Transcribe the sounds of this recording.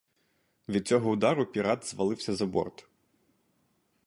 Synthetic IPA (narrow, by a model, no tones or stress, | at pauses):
ʋʲid̪̚t͡sʲɔɦɔʊd̪ɑɾʊpʲiɾɑt̪zʋɐlˠɪwsʲɐzɐbɔ̰rt̪ʊ̥